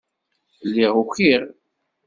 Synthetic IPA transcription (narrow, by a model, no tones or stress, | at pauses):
lːiʁuçiɾ